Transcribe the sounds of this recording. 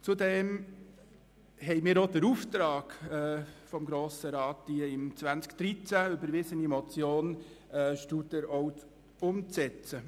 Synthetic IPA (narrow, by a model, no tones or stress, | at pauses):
t͡sud̪ɛːm | hɛɪmɪːɾod̪əɾuft̪ɾɑːɡ̥ɛfɔmɡɾoːsəɾɑːtd̥iəɪmt͡sʋænt͡skd̥ɾit͡sæʏbəɾʋɪsənimɔt͡sjoːn | ɛʃtud̪əɾɔw | ʊmt͡sɛt͡sə